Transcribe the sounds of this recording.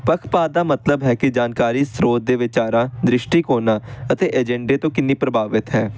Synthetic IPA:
pəkʰpaːd̪aːmət̪ləbɦɛːkɪd͡ʒaːnkaːɾiːsɾoːt̪̚d̪eːʋɪt͡ʃaːɾãːd̪ɾɪʃʈiːkoːnaːət̪eːʔɛd͡ʒɛ̃ɳɖeːt̪õːkɪnːiːpɾəbaːʋɪt̪ɦɛː

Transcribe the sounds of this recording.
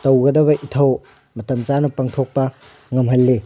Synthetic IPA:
tɐwɡɐdɐbɐʔitʰɐw | mɐtɐmt͡ʃanɐpɐŋtʰok̚pɐ | ŋɐmɦɐlːe

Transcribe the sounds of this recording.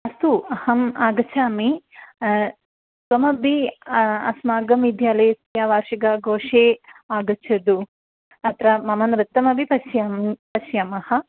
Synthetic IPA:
ɐst̪uɐhɐmaːɡɐt͡ʃʰaːmi | sʋɐmɐbiɐsmaːɡɐmid̪ʱjaːleːstjaːʋaːɾʃiɡɐɡoːʂeːaːɡɐt͡ʃʰɐd̪u | ɐt̪ɾɐmɐmɐnɾɐt̪ːɐmɐbipɐsjɐmpɐʃjɐmɐhɐ

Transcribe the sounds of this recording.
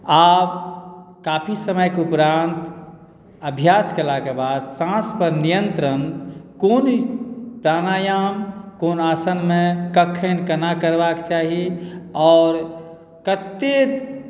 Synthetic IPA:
aːbkaːpʰisəməjkeupɾãnt̪ | əbʱjaskelakebaːd̪sãspəɾnijənt̪ɾənkonpɾaːnajamkoːnaːsənmẽkəkʰːənkənakəɾbakt͡ʃaːɦiɔːɾ | kət̪ːe

